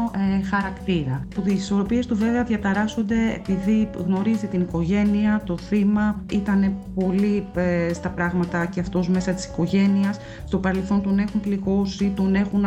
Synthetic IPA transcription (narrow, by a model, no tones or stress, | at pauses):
xɐɾɐkt̪iɾɐput̪iiso̞ɾo̞pie̞st̪uve̞veɐðʝɐt̪ɐɾɐso̞nd̪e̞ḛpiðiɣno̞ɾizit̪iniko̞ʝe̞niɐt̪o̞θimɐit̪ɐne̞po̞list̪ɐpɾɐɣmɐt̪ɐceɐft̪o̞zme̞sɐt̪i̥si̥ko̞ʝe̞niɐs | st̪o̞pɐɾe̞lθo̞nt̪o̞ne̞xumpliɣo̞sit̪o̞ne̞xun